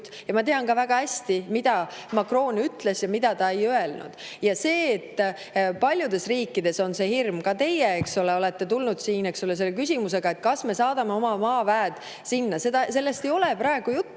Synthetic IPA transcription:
t̪ | jɑmɑt̪e̞ɑnkɑvæɡ̥ɑæsʲt̪imid̪̥ɑ | mɑkro̞ːnyt̪ˑle̞sjɑmid̪̥ɑt̪ɑe̞jøe̞lnṵd̪̥ | jɑse̞ːt̪ː | pɑlʲjud̪̥e̞sriːkːid̪̥e̞so̞nse̞hirmkɑt̪e̞jeeksole̞o̞le̞t̪ːe̞t̪ulnud̪̥siːne̞ksole̞s̬e̞lːekysʲimuse̞ɡ̥ɑe̞t̪̚kɑsme̞sɑːd̪̥ɑme̞o̞mɑmɑːvæːd̪̥ | sinːɑse̞d̪ɑse̞lːe̞st̪e̞jo̞lepɾɑe̞ɡ̥ujut̪ˑː

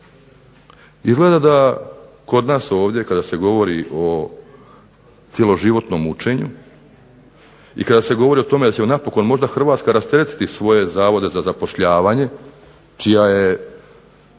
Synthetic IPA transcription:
izɡle̞d̪ad̪a | ko̞d̪naːso̞ːʋd̪je̞kad̪ase̞ɡo̞ʋo̞ɾiʔo̞ | t̪sje̞lo̞ʒiʋo̞t̪no̞mut͡ʃe̞ɲu | ḭkad̪ase̞ɡo̞ʋo̞ɾio̞t̪o̞me̞d̪at͡ɕemonapo̞ko̞nmo̞ʒd̪axr̩ʋaːt̪skaɾast̪jeɾet̪i̥t̪isʋo̞je̞zaːʋo̞d̪e̞zazapo̞ʃʎaːʋaɲe̞ | t͡ʃijaje̞

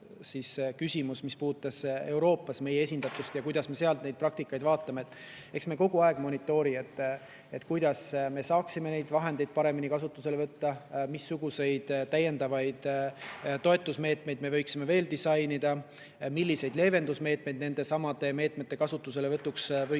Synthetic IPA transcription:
siskysʲimusmispuːd̪u̥t̪ːˑɑse̞wɾo̞ːpːˑɑsme̞jee̞sʲind̪̥ɑt̪ːˑust̪jɑkujd̪ɑsme̞se̞ɑlt̪ne̞jd̪̚prɑk̚t̪ikːˑɑjd̪̥vɑːt̪ˑːɑme̞et̪ːˑ | e̞ksme̞ko̞ɡuɑeɡ̥mo̞nit̪ːˑo̞ːɾie̞t̪ˑː | et̪kujd̪̥ɑsme̞sɑːksime̞ne̞jd̪̥vɑɦe̞nd̪̥e̞jd̪̥̚pɑɾe̞minikɑsut̪ːˑuse̞levɤt̪ːɑmisːuɡ̥use̞jd̪̥t̪æjːe̞nd̪ɑvɑjd̪̥ | t̪o̞et̪ːˑusme̞ːt̪me̞jd̪̚me̞vɤ̞jksime̞ve̞ːld̪̥isɑjnid̪ɑ | milʲːise̞jd̪le̞ːve̞nd̪̥usme̞ːt̪mejd̪̚ne̞nd̪e̞sɑmɑd̪e̞me̞ːt̪ˑme̞t̪ːˑe̞kɑsut̪ːˑus̬e̞levɤt̪ːˑuksvɤ

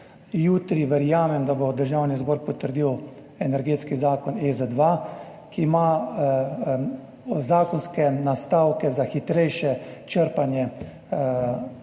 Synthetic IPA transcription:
juːt̪ɾiʋɛɾjaːmɛmd̪abod̪əɾʒawnizbɔːɾpɔt̪əɾd̪iːw | ɛnɛɾɡeːt̪skizaːkɔnezɛd̪ʋa | kiːma | zaːkɔnskɛnast̪aːwkɛzaxit̪ɾɛjʃɛt͡ʃəɾpanjɛ

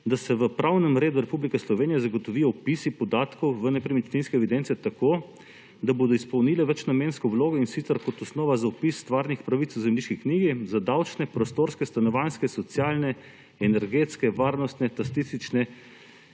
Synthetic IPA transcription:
d̪asɛʋəpɾʔawnɛmɾeːd̪uɾɛpublikɛslɔʋeːnijazaɡɔt̪ɔʋiːjɔɔpisipɔd̪aːt̪kɔwʋənɛpɾimit͡ʃ̪ninskɛʋid̪ɛnt̪sɛt̪akoː | d̪aboːd̪ɔispɔwnilɛʋɛt͡ʃnameːnskɔwloːɡɔinsit̪sɛɾkɔt̪ɔsnɔːʋazaɔpisːt̪ʋaːɾnixpɾaʋit̪wzɛmliʃkikniːɡizad̪awt͡ʃnɛpɾɔst̪oɾskɛst̪anɔʋanskɛsɔt̪sjaːlnɛ | ɛnɛɾɡet̪skɛʋaːɾnɔst̪nɛt̪ast̪ist̪it͡ʃnɛ

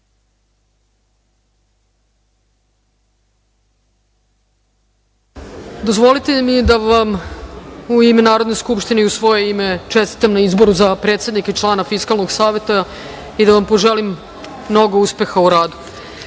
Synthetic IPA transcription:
d̪o̞zʋo̞lit̪emid̪aʋam | uimenaːɾo̞d̪ne̞skupʃt̪ineiusʋo̞je̞imet͡ʃest̪i̥t̪amnaizbo̞ɾuzapɾe̞ːt̪sed̪niket͡ʃlˠaːnafiskalˠno̞ɡsaːʋe̞t̪a | id̪aʋampo̞ʒelimː | no̞ɡo̞uspe̞xauɾaːd̪u̥

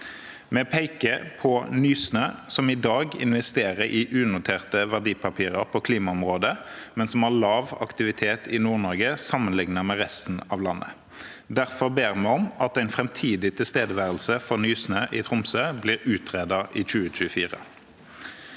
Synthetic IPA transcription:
mɛpʰæɪkəpʰɔnyːsnøːsɔmɪd̪ɑːɡɪ̰nʋɛst̪eːʁəɾʔɪʔʉːnʊt̪ʰeːʁt̪əʋæʁɖ̪iːpʰɑpʰiːʁəʁpʰɔkʰliːmɑɔmʁoːd̪əmɛnsɔmɑʁlɑːʋɑ̰kt̪ɪʋɪt̪ʰeːt̪ʰɪnuːʁnɔʁɡəsɑmːənlɪŋnɑmɛʁɛst̪n̩ɑʋlɑnːʔə̰ | d̪æʁfɔʁbeːʁmɛɔmɑt̪æɪnfʁɛmt̪ʰiːd̪ɪt̪ʰɪlst̪eːd̪əʋæːʁəlsəfɔʁnyːsnøːʔɪt̪ʰʁʊmsøːbliːʁʉːt̪ʰʁeːd̪ɑʔiːc͡çʉːəc͡çʉːəfiːʁə̰

